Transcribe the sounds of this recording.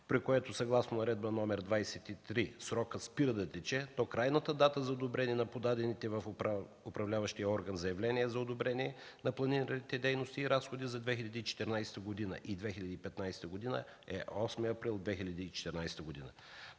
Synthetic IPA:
pɾikoɛt̪ʊsɐɡlˠasnoʊnɐɾɛd̪̚bənɔmɛɾd̪vajsɛt̪it̪ɾisɾɔkəspiɾəd̪ɐt̪ɛt͡ʃɛt̪ɔkɾajnət̪əd̪at̪əzɐod̪obɾɛniɛnɐpod̪ad̪ɛnit̪ɛvɐf | ʊpɾɐvlʲavəʃt̪ijəɔɾɡənzɐjɛvlʲɛniɛzɐod̪obɾɛniɛ | nɐplˠɐniɾənit̪ɛd̪ɛjnost̪iːɾasxod̪izɐd̪vɛxilʲɐd̪iːt͡ʃɛ̥t̪ɛɾnajst̪əɡod̪inə̰ʔid̪vɛxilʲɐd̪ipɛt̪najsɛ̥t̪əɡod̪inə̰ | ɛ̰ʔɔsmiɐpɾilˠd̪vɛxilʲɐd̪iːt͡ʃɛ̥t̪ɛɾnajst̪əɡod̪inə̰

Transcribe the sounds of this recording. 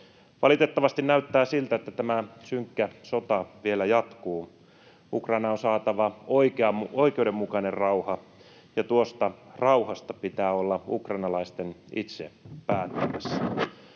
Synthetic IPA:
ʋɑlit̪e̞t̪ːɑʋɑst̪innæyt̪ːæːsilt̪æet̪ːæt̪æmæsyŋkːæsot̪ɑʋielæjɑt̪kuː | ukrɑinɑonsɑːt̪ɑʋɑoikeɑoikeuwde̞mːukɑnerrɑuhɑ | jɑt̪uost̪ɑrɑuhɑst̪ɑpit̪æːolːɑṵkrɑinɑlɑist̪enḭt̪sḛpæːt̪ːymæsːæ

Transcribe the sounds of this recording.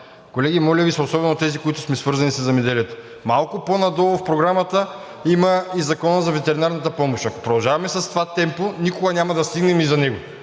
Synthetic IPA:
kolɛɡ̟imɔlʲɐvisɐoːsɔbɛnot̪ɛzikoit̪ʊ̥smɛsvɤɾzɐnisɐzɐmɛd̪ɛliɛt̪o̥ | malˠkʊponɐd̪ɔlˠofpɾoɡɾamɐt̪ə | imɐizɐkɔnəzɐvɛt̪ɛɾinaɾnɐt̪ɐpɔmoʃɐko̥pɾod̪ɐlˠʒavɐmɛsɐst̪ovat̪ɛmponikoɡɐnʲamɐd̪ɐst̪iɡnɛmizɐnɛɡo

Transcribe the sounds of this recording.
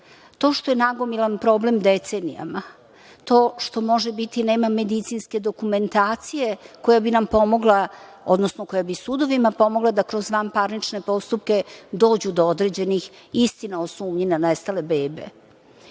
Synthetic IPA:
t̪o̞ʃt̪o̞jenaɡo̞milanpɾo̞ːble̞md̪et̪senḭja̰ma | t̪o̞ːʃt̪o̞mo̞ʒebit̪ineːmame̞d̪it̪sinske̞d̪o̞kume̞nt̪aːt̪sije̞ko̞jabinampo̞mo̞ɡlˠa | o̞̰d̪nosnoko̞jabisud̪o̞ʋimapo̞moɡlˠad̪akɾo̞zʋampaɾnit͡ʃne̞po̞st̪up̚ke̞d̪o̞ːd͡ʑud̪ood̪ɾed͡ʑe̞nixist̪inaosuːmɲinanest̪ale̞beːbḛ

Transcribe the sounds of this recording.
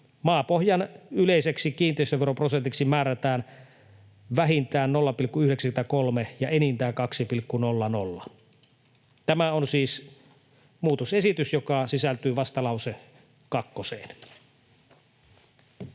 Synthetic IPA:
mɑːpohjɑnyleiseksikiːnt̪ˑeˑist̪øʋeɾopro̞sent̪iksimæːɾæt̪æːn | ʋæɦint̪æːnnolːɑpilkːuyhdeksæymet̪ækolmejɑʔenint̪æːkɑksipilkːunolːɑno̰lːɑ̰ | t̪æmæonsiːs | muːt̪ose̞sit̪ysjokɑsisælt̪yːʋɑst̪ɑlɑwse | kɑkːosḛːn

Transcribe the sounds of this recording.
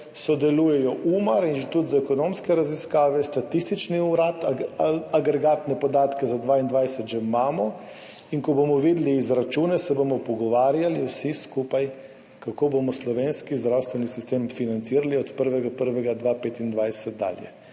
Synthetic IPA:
sɔd̪ɛluːjɛjɔʔuːmaɾinʒt̪ud̪zaɛkɔnomskɛɾaziskaːʋɛst̪at̪ist̪it͡ʃniuɾat̪aɡɾɛɡaːt̪nɛpɔd̪aːt̪kɛzad̪ʋaːind̪ʋajsɛt̪ʒɛmaːmɔ | iŋkɔbomɔʋiːd̪liːzɾat͡ʃuːnɛsɛbomɔpɔɡɔʋaːɾjaliuwsiskupaj | kakoːbomɔslɔʋeːnskizd̪ɾawst̪ʋɛnisist̪eːmfinant̪siːɾaliɔt̪pəɾʋɛɡapəɾʋɛɡad̪ʋaːpeːt̪ind̪ʋajsɛt̪̚d̪a̰ːljɛ̰

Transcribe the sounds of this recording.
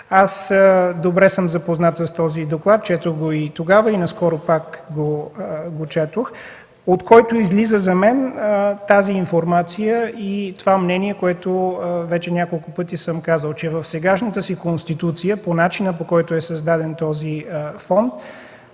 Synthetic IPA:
asd̪obɾɛsəmzɐpoznat̪sɐst̪ɔzid̪oklˠat̪̚t͡ʃɛt̪oxɡoit̪oɡavəinɐskɔɾopakɡoɡot͡ʃɛt̪ox | ot̪kɔjt̪ʊizlizəzɐmɛnt̪aziːnfoɾmat̪sijəit̪ovamnɛniɛkoɛt̪ovɛt͡ʃɛnʲakolˠkʊpɤt̪isəmkazəlˠt͡ʃɛvəfsɛɡaʃnət̪əsikonst̪it̪ut̪sijəponat͡ʃinəpokɔjt̪ʊɛsɐzd̪ad̪ɛnt̪ɔzifɔnt̪̚

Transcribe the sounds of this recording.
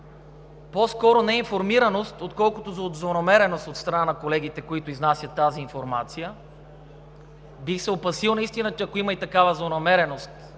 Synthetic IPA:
poskɔɾonɛinfoɾmiɾɐnost̪ot̪kɔlˠkot̪ozɐod̪zˠonɐmɛɾɛnost̪ot̪st̪ɾɐnanɐkolɛɡ̟it̪ɛkoit̪oiznasʲət̪ːaziːnfoɾmat̪sijə | bixsɛopɐsilˠnɐist̪inət͡ʃɛɐkoimɐit̪ɐkavəzlˠonɐmɛɾɛnost̪

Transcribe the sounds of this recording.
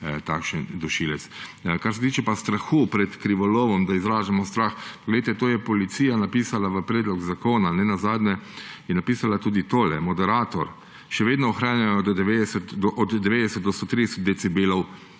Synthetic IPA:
t̪aːkʃənd̪ɔʃiːlɛt̪skaɾsɛt̪iːt͡ʃɛpast̪ɾaxupɾɛt̪kɾiʋɔloːʋɔmd̪aizɾaːʒamɔst̪ɾaxpɔɡlɛjt̪ɛt̪oːjɛpɔlit̪siːjanapiːsalaʋəpɾɛːd̪lɔɡzakoːnanɛnazaːd̪nɛjɛnːapiːsalat̪uːd̪it̪oːlɛmɔd̪ɛɾaːt̪ɔɾ | ʃɛʋeːd̪nɔɔxɾaːnjajɔd̪d̪ɛʋeːd̪ɛsɛt̪d̪ɔʔɔd̪d̪ɛʋeːd̪ɛsɛt̪̚d̪ɔst̪oːt̪ɾid̪ɛsɛt̪̚d̪ɛt̪sibeːlɔw

